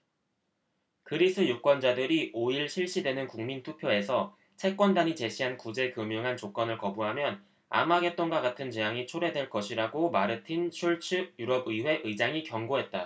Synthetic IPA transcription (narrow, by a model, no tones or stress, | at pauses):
kɯɾis͈ʰɯjuk͈wʌnd͡ʑadɯɾiʔoiɭɕʰiɭɕ͈idwe̞nɯnkuŋmintʰupʰjoe̞sʰʌ | t͡ɕʰe̞k͈wʌndaɲit͡ɕe̞ɕʰiɦankud͡ʑe̞kɯmjoŋɦant͡ɕok͈ʌnɯɭkʌbuɦamjʌn | a̰maɡe̞t͈oŋɡwaɡatʰɯnt͡ɕejaŋit͡ɕʰoɾe̞dwe̞ɭk͈ʌɕʰiɾaɡomaɾɯtʰint͡ɕʰuɭt͡ɕʰɯjuɾʌbɯiɸwe̞ʔɯid͡ʑaŋikjʌŋɡoɦe̞t̚t͈a